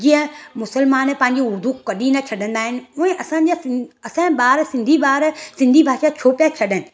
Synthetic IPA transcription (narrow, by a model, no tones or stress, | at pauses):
d͡ʑĩə̃mʊsəlmaːnepɐ̃ɦɪ̃ɲ̆d͡ʑiʊɾd̪ʱukɐɗĩnɐt͡ɕʰɐɗə̃nd̪aːɦɪnɪ̆ʊ̃ẽʔɐsãːɲd͡ʑaɐsãɓaːɾsɪ̃nd̪ʱiɓaːɾsɪ̃nd̪ʱibʱaːʃat͡ɕʰoːpjat͡ɕʰɐɗənɪ̆